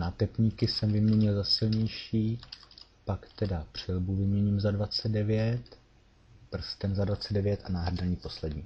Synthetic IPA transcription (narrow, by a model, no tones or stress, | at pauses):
nat̪ɛpɲiːkɪsɛmvɪmɲɛɲɪlzasɪlɲɛjʃiː | pakt̪ɛdapr̝̥ɪlbuvɪmɲɛɲiːmzadvat͡sɛddɛvjɛt̪ | pr̩st̪ɛnzadvat͡sɛdɛvjɛt̪ʔanaːɦɾadaɲiːpo̞slɛdɲiː